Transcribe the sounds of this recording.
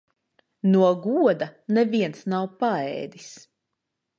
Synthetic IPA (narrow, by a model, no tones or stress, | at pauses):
nuɔɡuɔd̪ɐnɛviɛnsnawpaɛ̰ːd̪is